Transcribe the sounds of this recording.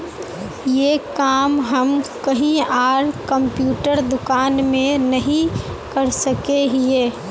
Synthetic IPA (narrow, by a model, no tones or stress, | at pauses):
jekaːmɦəmkəɦĩaːɾkəmpjuːʈəɾd̪ʊkaːnmẽnɐɦĩ | kɐɾsəkeɦieː